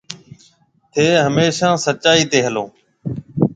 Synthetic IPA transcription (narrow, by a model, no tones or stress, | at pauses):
t̪ʰeːɦəmeːʃãːsət͡ʃaːiːt̪eːɦəlõː